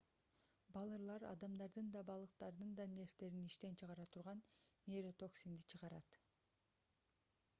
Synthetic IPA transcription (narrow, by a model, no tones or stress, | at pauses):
bɑlˠɯɾlˠɑɾɑ̰d̪ɑmd̪ɑɾd̪ɯnd̪ɑbɑlˠɯq̚t̪ɑɾd̪ɯnd̪ɑnʲe̞ft̪e̞ɾiniʃt̪e̞nt͡ʃʰɯʁɑɾɑt̪ʰuɾʁɑnːʲeɾot̪o̞ksʲind̪it͡ʃʰɯʁɑɾɑt̪